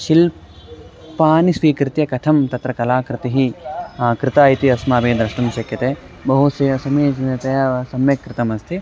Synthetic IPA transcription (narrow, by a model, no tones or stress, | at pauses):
ʃil | paːnisʋiːkɾɪt̪jɐkɐt̪ʰɐmt̪ɐt̪ɾɐkɐlaːkɾɪt̪iɦikɾɪt̪aːjit̪iɐsmaːbeːd̪ɾɐʂʈɐmʃɐkjɐt̪eː | bɐɦusɐjɐsɐmeːd͡ʒinɐt̪ɐjɐsɐmjɐkɾɪt̪ɐmɐst̪ʰi